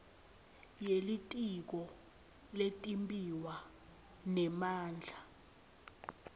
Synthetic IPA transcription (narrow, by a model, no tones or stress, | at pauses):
jelitʼik̬ɔ | letʼimbʼiwa | nɛmaːnd͡ɮʱa